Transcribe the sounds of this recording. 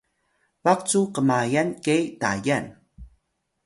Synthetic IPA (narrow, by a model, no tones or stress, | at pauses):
vak̚t͡sukəmajankejta̰jan